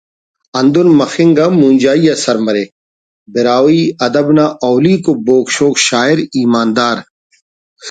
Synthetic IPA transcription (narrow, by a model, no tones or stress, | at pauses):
ɐnd̪unmɐxɪŋɡamũːnʲd͡ʑaːijasɐɾmɐɾe | bɪɾaːwiːɐd̪ɐbnaʔɔːliːkoboːkʃoːkʃaːiɾiːmaːnd̪aːɾ